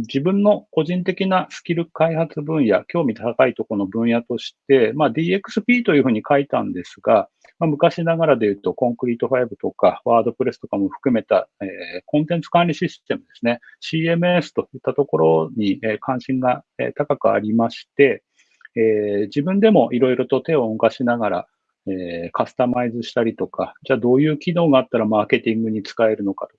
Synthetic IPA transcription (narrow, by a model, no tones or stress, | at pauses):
d͡ʑibɯ̟̃nːo̞ko̞ʑĩnt̪e̞kʲinasɨ̥kʲiɾɯ̟kaihat͡sɨbɯ̟̃ɰ̃ja̰kʲo̞ːmʲit̪at̪akait̪o̞kono̞bɯ̟̃ɰ̃jat̪o̞ɕi̥t̪e̞maːd̪ʲiːe̞kɯ̥sɨpʲiːt̪o̞jɯ̟ɸɯ̟ːɲ̟ikait̪ã̰nd̪e̞sɨɡa | mamɯ̟kaɕinaɡaɾad̪e̞jɯ̟ːt̪o̞kõ̞ŋkɯ̟ɾʲit̪o̞ɸaibɯ̟t̪o̞kaβaːd̪o̞pɯ̟ɾe̞sɨ̥t̪o̞kamo̞ɸɯ̟̥kɯ̟me̞t̪a̰eːkõ̞nt̪ẽ̞nt͡sɨ̥kãnʲɾʲiɕist̪e̞mɯ̟d̪e̞sɨne̞ɕiːe̞mɯ̟esɨ̥t̪o̞jɯt̪ːat̪o̞ko̞ɾo̞ɲ̟ieːkʰãɰ̃ɕĩŋɡaḛːt̪akakɯ̟a̰ɾʲimaɕi̥t̪e̞ | eːd͡ʑibɯ̟̃nd̪e̞mo̞ʔiɾo̞iɾo̞t̪o̞t̪e̞o̞mkaɕinaɡaɾa̰ | eːkasɨ̥t̪amaizɨɕi̥t̪aɾʲit̪o̞kad͡ʑaːd̪o̞ːjɯ̟ːkʲino̞ːɡaːt̪ːaɾamaːke̞t̪ʲĩŋɡɯ̟ɲ̟it͡sɨ̥kae̞ɾɯ̟no̞ka̰t̪o